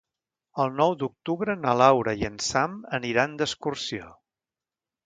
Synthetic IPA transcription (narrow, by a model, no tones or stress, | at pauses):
əlˠnɔwd̪uk̚t̪uβɾənəlawɾəjiənsaməniɾand̪əskursio